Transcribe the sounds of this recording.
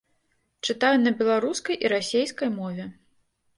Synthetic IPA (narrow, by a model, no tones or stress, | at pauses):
t͡ʂɨt̪ajunɐbʲɛlˠaɾuskɐjʔiɾasʲejskɐjmɔvʲɛ